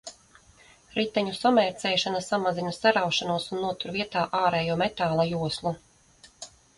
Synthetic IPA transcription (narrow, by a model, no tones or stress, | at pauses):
ɾit̪ːɛɲusɔmɛɾt̪sɛːʃanasamazinasaɾawʃanuɔsunːuɔt̪uɾviɛt̪aːʔaːɾɛːjuɔːmɛt̪aːlˠajuɔslˠu